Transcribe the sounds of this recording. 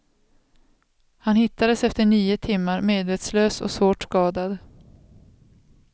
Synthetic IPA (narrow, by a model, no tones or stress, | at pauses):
hanhɪt̪ːad̪əsɛft̪əɳiːʊt̪ʰɪmːaɾmeːd̪veːt̪sløːsɔ̰svoːʈskɑːd̪ad̪